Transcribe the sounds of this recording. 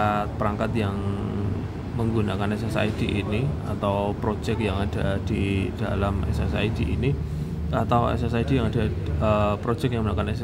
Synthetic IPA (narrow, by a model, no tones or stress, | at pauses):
at̪̚pəɾaŋkat̪jaŋ | məŋɡunakanɛsɛsa̰id̥iʔinia̰t̪awpɾo̥d͡ʒɛkjaŋad̥ad̥id̥alamɛ̰sɛ̰saidiʔḭni | at̪awɛ̰sɛs̬aid̥ijaŋad̥aəpɾo̥d͡ʒɛkjaŋmənakanɛs